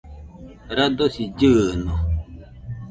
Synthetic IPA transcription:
ɾadosid͡ʒəːnɔ

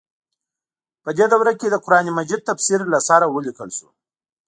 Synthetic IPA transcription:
pəd̪ed̪awɾaked̪əqʊɾɑnimad͡ʒid̪̚t̪afsiɾlasaɾawəlikəlsu̥̰

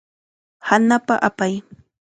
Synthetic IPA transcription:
hanapaʔapaj

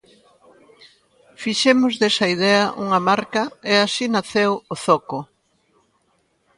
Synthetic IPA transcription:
fiʃemʊzðesɐið̞ɛɐʔuŋɐmaɾkɐeasinaθewoθɔko

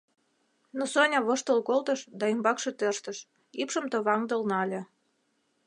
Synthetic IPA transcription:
nosonʲɑβoʃt̪ə̆lkolt̪əʃd̪ɑimbɑkʃet̪ørʃt̪əʃ | ipʃə̆mt̪ə̆βɑŋd̪ə̆lnɑlʲe

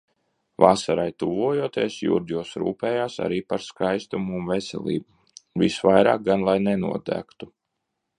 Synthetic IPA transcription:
vasaɾajt̪uvuɔjuɔt̪iɛsjṵɾd̪juɔsɾṵːpɛːjaːsa̰ɾiːpaɾskajst̪umuːnvesɛ̰lˠḭːbu | visvajɾa̰ːk̚ɡanlˠajnɛnṵɔd̪æ̰ːkt̪u

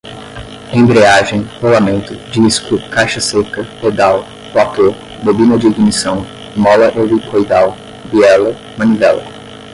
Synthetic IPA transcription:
ẽb̪ɾeaʒẽj̃holamẽnt̪ʊd͡ʒiskʊkajʃɐsekɐped̪aw | plat̪oɾ | b̪obĩnɐd͡ʒiiɡimisɐ̃w̃ | mɔlɐʔevikʰojd̪aw | biɛlɐ | mɐ̃nivɛlɐ̰

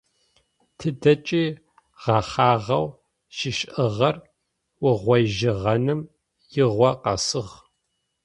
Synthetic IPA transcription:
tʰɨdɐt͡ʃʼiː | ʁɑχaːʁɐw | ʃɪʃʔɨʁɐr | wʊʁʷɔjʒɪʁɐnɨm | jɪʁʷɔqɐ̰sɨʁ

